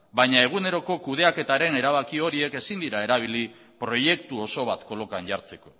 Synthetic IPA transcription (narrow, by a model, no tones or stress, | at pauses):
bajɲae̞ɣ̞une̞ɾo̞ko̞kuð̞e̞ake̞t̪aɾe̞ne̞ɾaβ̞akio̞ɾie̞ke̞sind̪iɾae̞ɾaβ̞ili | pɾo̞je̞kt̪uo̞so̞β̞at̪ko̞lo̞kanʝaɾt͡se̞ko̞